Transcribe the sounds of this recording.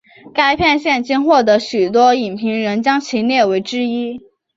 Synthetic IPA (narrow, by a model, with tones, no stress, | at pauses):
ka˥ɪpʰjɛ˥˧nɕjɛ˥˩nt͡ɕi˥nxwɔ˥˩t̪ɤ˧˥ɕy˨˩t̪̬wɔ˥i˨˩npʰi˧˥ŋɻə˧˥nt͡ɕjɑ˥ŋt͡ɕʰi˧˥njɛ˥˩we˧˥ɪʈ͡ʂɻ̩˥i˥